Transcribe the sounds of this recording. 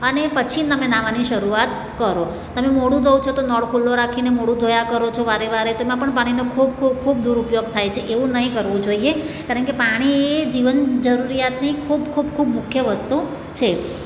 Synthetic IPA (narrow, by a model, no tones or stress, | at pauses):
ənepət͡ʃʰit̪əmenaʋaniʃəɾuat̪ | kəɾo | t̪əmemoɽũd̪ʱəʋt͡ʃʰot̪onɔɽkʰulːoɾakʰinemoɽũd̪ʱojakəɾot͡ʃʰoʋaɾeʋaɾet̪oemãpəɳpaɽ̃inokʰub̚kʰub̚kʰub̚d̪uɾupjoɡ̚t̪ʰajt͡ʃʰeʔeʋũnəɦĩkəɾʋũd͡ʒoie | kaɾəɳkepaɽ̃ieed͡ʒiʋənd͡ʒəɾuɾijat̪nikʰubkʰubkʰubmʊkʰjəʋəst̪u | t͡ʃʰe